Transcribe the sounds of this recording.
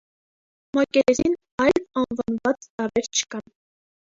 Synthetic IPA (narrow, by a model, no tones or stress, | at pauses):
mɑkɛɛɾin | ɑjlɑnvɑnvɑt͡st̪ɑɾɛɾt͡ʃʰə̥kɑn